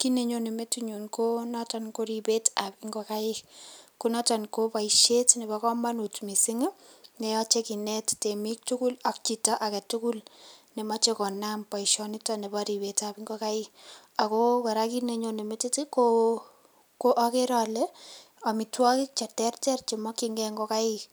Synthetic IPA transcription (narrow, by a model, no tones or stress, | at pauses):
kineɲonemetiɲunkonɔtɔnkoɾibetapɪŋɡokaɪkkunɔtɔnkopaiʃetnebɔkɔmanutmisɪŋnejɔt͡ʃekinɛttemik̚tukulɔk̚t͡ʃitɔʔakɛtukulnemɔt͡ʃekɔnampaiʃɔnitɔnebɔɾibetapiŋɡokaɪ | akokɔɾakineɲonemetitiko | koʔɔkeɾɔle | ɔmitwɔkɪk̚t͡ʃɛtɛrtɛrt͡ʃemɔkiŋɡɛŋɡokaɪ